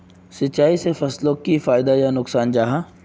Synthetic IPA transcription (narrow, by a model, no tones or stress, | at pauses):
sɐtːt͡ʃːaːisefɐslõkifaːɪd̪ajanʊksaːnd͡ʒaːɦaː